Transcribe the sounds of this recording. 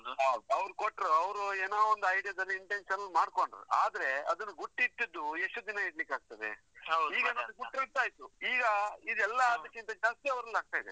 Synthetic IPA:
ɐɐʋɾukoʈːɾuɐʋɾueːnaːond̪ɐjɽijɐd̪ɐlːiːɳʈenʂɐnɐlːmaːɽko̞ɳɖɾṵaːd̪ɐɾe̞ɐd̪ɐnːɐɡuʈːit̪ːid̪ːue̞ʂʈud̪inɐiɽlikaːɡ̚t̪ɐʋḛ | iːɡɐnɐnuɡuʈːiɡt̪aːjt̪uiːɡɐid̪ɛlːɐaːd̪ɐkːint̪ɐd͡ʒaːst̪iɐʋɾɐlːaːɡ̚t̪aːjid̪e

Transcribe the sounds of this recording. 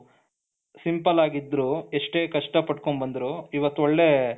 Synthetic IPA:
simpɐlaːɡid̪ːɾuːeʂʈe̞ːkɐʂʈɐpɐʈkoɳbɐnd̪ɾuːiʋɐt̪ːuoɭːe̞

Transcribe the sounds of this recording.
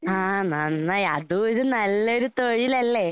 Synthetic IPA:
ɦãːnɐnːɐɐðuiðɨnɐlːoɾut̪ojilɐlːe

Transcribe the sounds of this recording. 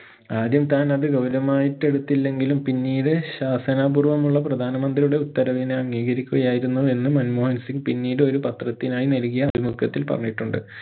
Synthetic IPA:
aːd̪jɐmt̪aːnɐðɨɡɐwɾɐmaːjiʈːe̞ɽut̪ːilːe̞ŋɡilumpinːiːɽeɕaːsɐnaːburʋɐmuɭːɐprɐd̪ʱaːnɐmɐnd̪rijuɽe̞ut̪ːɐɾɐʋineɐŋːiːɡɐɾikʲːuɣɐjaːjiɾunːue̞nːɨmɐnmoːhɐnsiŋɡpinːiːɽeo̞ɾupɐt̪rɐt̪ːinaːjinɐlkijɐðimukʰːɐt̪ːilpɐ̰rɐ̰ɲːiʈːuɳɖɨ̰

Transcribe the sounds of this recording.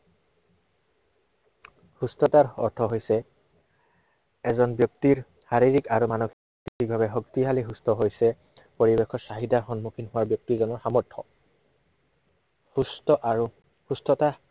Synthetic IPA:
hustɔtaɹɔ̰ɹtʰɔɦojsɛ | ɛzɔnbjɔk̚tiɹ | haɹiɹikaɹumanɔxi | tikibʱabɛɦɔktiɦaliɦustʰɔɦojsɛ | poɹibekʰɔsaɦidaxɔnmukʰinɦʊwaɹbjɔk̚tiɹzɔnɔɹxamɔɹtʰɔ̰ | s | hustɔta

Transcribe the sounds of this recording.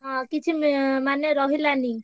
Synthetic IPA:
kit͡ʃʰimanjeɾɔɦilani

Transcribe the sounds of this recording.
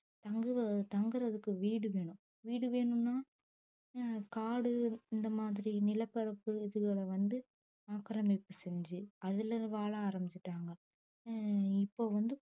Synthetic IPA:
t̪ɐŋɡɯʋɐt̪ɐŋɡɯɾɐðɯkːɯʋiːɽɯʋeːɳʊ̃ | ʋiːɽɯʋeːɳɯnːaː | kaːɽɯɪnd̪ɐmaːðɪɾinɪlɐpːɐɾɐpːɯɪðɯɣɐɭɐʋɐnd̪ɯ | aːkɐɾɐmɪpːɯsɛɲd͡ʒɯɐðɪlɐʋaːɭaaːɾɐmɪt͡ʃːɪʈːaːŋɡɐ | ɪpːoːʋɐnd̪ɯ

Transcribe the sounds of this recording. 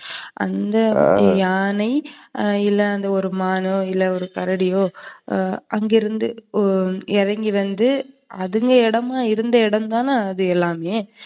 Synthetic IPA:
ʔɐ̰nd̪ɐjaːnɐɪɪlːɐɐnd̪ɐɔɾɯmaːnoːɪlːɐɔɾɯkɐɾɐɽɪjoː | ɐŋɡɪɾɯnd̪ɯ | ɛɾɐŋɡiʋɐnd̪ɯ | ɐðɯŋɡɐɛɽɐmaːɪɾɯnd̪ɐɪɽɐmt̪aːnaːðɯɛlːaːmeː

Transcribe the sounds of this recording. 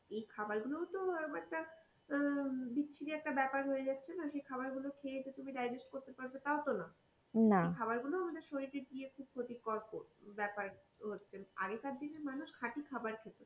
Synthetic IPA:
ejkʰabaɾɡulowt̪oɔɾɛk̚ʈa | bitːɕʰiɾiɛk̚ʈabɛpaɾɦoed͡ʑatːɕʰenaʃejkʰabaɾɡulokʰeed͡ʑʰet̪umiɖajd͡ʑesʈkoɾt̪epaɾbet̪aot̪ona | naejkʰabaɾɡuloamad̪eɾʃoɾiʈiɾɡiekʰub̚kʰot̪ikːɔɾpobɛpaɾ | ɦotːɕʰena̰ɡekaɾd̪inemanuʃkʰaʈikʰabaɾkʰet̪o

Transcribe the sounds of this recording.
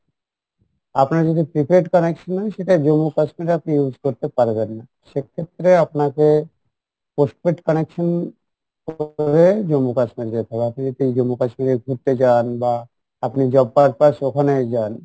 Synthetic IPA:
apnaɾad͡ʑod̪ʱipɾipʰiɾeʈkɔnekʃonːɔeʃeʈad͡ʑomːukaʃmiɾapnijud͡ʑʱkoɾt̪epaɾbenːa | ʃekʰːet̪ːɾeapnake | posʈpeʈkɔnekʃon | kobed͡ʑomːukaʃmiɾd̪et̪ʰabeapnid͡ʑod̪ʱiejd͡ʑomːukaʃmiɾeɡʱuɾt̪et͡ɕanba | apnid͡ʑɔbːaɾpaʃokʰaned͡ʑan

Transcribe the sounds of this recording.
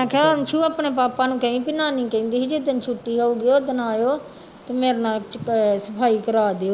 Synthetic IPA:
ɛ̃ːkʰant͡ʃʰuːaːpneːpaːpãːnũːkəĩːpɪnaːnĩːkɛ̃ːnd̪iːɦːd͡ʒed̪ənt͡ʃʰuʈːiːɦoːuɡɪjoːd̪ənaːjoː | t̪eːmeːɾnãːt͡ʃsəpʰaːiːkəɾaːd̪eːoː

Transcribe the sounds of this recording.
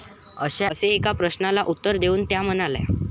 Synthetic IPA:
əɕaseːkapɾəɕnalaʔut̪ːəɾd̪euːnt̪jam̤ənalɛ̰

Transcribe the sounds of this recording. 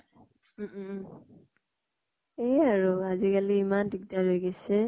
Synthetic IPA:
eaɹuazikaliːmandik̚daɹojɡɛsɛ

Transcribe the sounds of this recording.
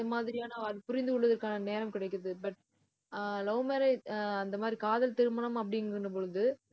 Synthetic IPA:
d̪ɐmaːðɪɾɪjaːnɐɐɾpʊɾɪnd̪ɯʊɭːɐðɐɾkaːnɐneːɾɐmkɪɽɐɪkːɯɾɐðɯbɐʈ | lɐʊɐmeːɾɐɐnd̪ɐmaːdɾikaːðɐlt̪ɪɾɯmɐɳɐmɐpːɐɽɪnɾɯnɐp̬ɔɻɯðɯ

